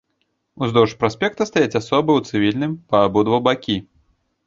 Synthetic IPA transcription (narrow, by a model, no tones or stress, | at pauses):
uzd̪ɔʂpɾasʲpʲɛk̚t̪ɐst̪ajat͡sʲasɔbɨwt̪sɨvʲilʲnɨmpɐːbud̪vɐbakʲi